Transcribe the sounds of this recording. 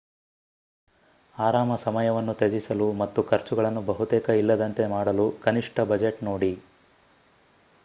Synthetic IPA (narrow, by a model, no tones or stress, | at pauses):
aːɾaːmɐsɐmɐjɐʋɐnːut̪ed͡ʒisɐlumɐt̪ːukʰɐɾt͡ʃuɡɐɭɐnːubɐɦut̪ɛːkɐilːɐd̪ɐnt̪e̞maːɽɐlukɐniʂʈʰɐbɐd͡ʒeʈnoːɽi